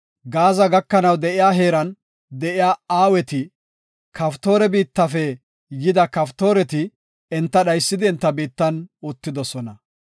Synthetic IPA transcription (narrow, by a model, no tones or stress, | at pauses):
ɡaːzɐɡɐkːɐnɐwd̪ɛʔɪjaːɦe̞ːɾɐn | d̪ɛʔɪjaːaːwɛt̪ɪ | kʰɐft̪o̞ːɾɛbiːt̪ːɐfɛ | jɪd̪ɐkɐft̪o̞ːɾɛt̪ɪ | ɛnt̪ːɐɗɐjsːɪd̪ɪɛnt̪ːɐbiːt̪ːɐnʊt̪ːɪd̪ɔsɔnɐ